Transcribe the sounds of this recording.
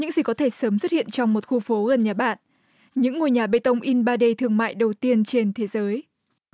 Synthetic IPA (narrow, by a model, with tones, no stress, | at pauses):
ɲɨ̰˧˥ŋzi˨˩kɔ˨˦t̪ʰe˧˩səː˨˦mswə˦˥t̚hḭ˧˨ənt͡ɕɔ˧wŋ͡mmo˨˩t̚xu˧fo˨˦ɣə˨˩nɲaː˨˩ɓa̰ː˧˨n | ɲɨ̰˧˥ŋːo˨˩jɲaː˨˩ɓə̰˧˨jt̪ə˧wŋ͡mʔi˧nɓaː˧ɗe˧t̪ʰɨ˨˩əŋma̰ː˧˨jɗə˨˩wt̪i˧ənt͡ɕe˧nt̪ʰe˨˦zəː˨˦j